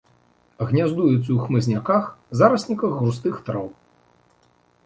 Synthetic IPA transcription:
ɣnʲazd̪ujut̪sʲɐwxmɨzʲnʲakaxzaɾɐsʲnʲikɐɣːɾust̪ɨxt̪ɾɔw

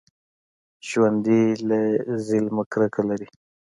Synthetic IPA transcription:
ʃwand̪ilazɪlməkɾəkalaɾi

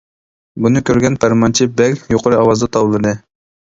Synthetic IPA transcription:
bunɨkʲøɾɡʲɛnpʰæɾmɑnt͡ʃʰibɛlʲjoqʰəɾɨɑwɑzd̪ɑt̪ʰɑwlˠɨd̪ɨ

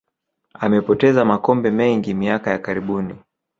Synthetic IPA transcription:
amɛpɔtɛzamakɔmbɛmɛŋɡimiakajakaɾiɓuni

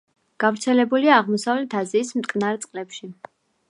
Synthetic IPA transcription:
ɡ̥avɾt̪sʰɛlɛbuliaːʁmɔsavlɛt̪ʰaziːsmt̪ʼkʼnaɾt̪sʼqʼlɛpʃi

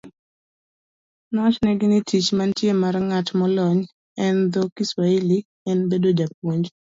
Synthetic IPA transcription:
nwat͡ʃnɛɡɪnɪtit͡ʃmantjemaɾŋatmɔlɔɲ | ɛnd̪ɔkiswaili | ɛnbedod͡ʒap̚woɲd͡ʒ

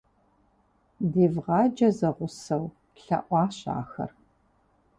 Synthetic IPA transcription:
diːvʁɑːd͡ʒɐzɐʁʷʊsɐw | ɬɐ̰ʔʷɑːɕɑ̰ːxɐ̰r

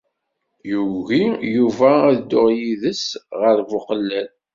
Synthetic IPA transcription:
juɣijuvææðd̪ːʊʁjiðəsʁəɾvʊqəlːæl

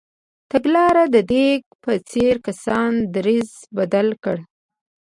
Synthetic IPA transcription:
t̪aɡlɑɾad̪əd̪eɡpət͡seɾkasɑnd̪ɾiz | bad̪alkəɽ

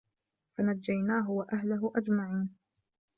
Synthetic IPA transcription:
fanad͡ʒːajnaːɦʊwaʔahlʊɦʊʔad͡ʒmaʕiːn

